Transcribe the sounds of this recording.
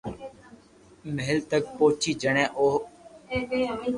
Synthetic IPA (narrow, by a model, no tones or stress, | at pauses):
məɦɪlt̪ək̚poːt͡ʃiːd͡ʒəɽ̃ɛ̃ːʔoːɦ